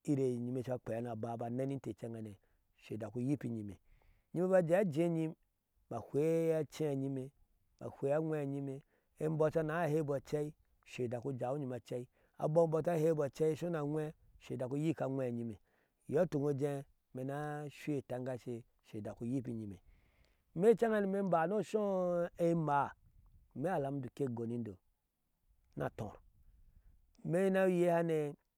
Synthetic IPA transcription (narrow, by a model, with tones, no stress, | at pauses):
i˦ɾe˨ɲi˨me˨t͡ʃa˦k͡pe˨a˨˦na˨ba˨ba˨na˦ni˦n̩˦te˨t͡ʃe˦ŋɡa˨ne˨ | ʃe˨da˨ku˦ji˦pi˨ɲi˨me˨ | ɲi˦me˦βa˦d͡ʒe˨˦a˦d͡ʒẽ˦ɲi˦m | ba˨hʷe˨˦a˦t͡ʃe˦a˨ɲi˦me˨ | ba̰˨hʷe˨˦a˦ŋʷe˦a˨ɲi˦me˨ | e˦m̩˦bo˦t͡ʃa˦na˨˦he˦ba˨t͡ʃe˦i˦ | ʃe˨da˨ku˦d͡ʒa˨u˦ɲi˨ma˨t͡ʃe˦i˦ | a̰˨bo˦bo˦ta˦he˦ba˨t͡ʃe˦i˦ʃo˦na˨ŋʷe˦ | ʃe˨da˨ku˦ji˦˨ka˨ŋʷɛ˨ɲi˧me˨ | jɔ˦tu˨ŋo˧d͡ʒe˧ | me˨na˦ʃʷe˨ta˨ŋɡa˦˧ʃe˧ | ʃe˨da˨ku˦ji˦pi˨ɲi˨mḛ˨ | me˦t͡ʃa˦ŋa˦ni˨me˦m̩˦ba˨no˦ʃo˦e˦ma˨ | me˦a˨la˨m˦du˨ke˦˨ɡo˨ni˨˦n˦do˨ | na̰˨tõ̰˨ɾ | me˦na˦je˦ha˦ne˨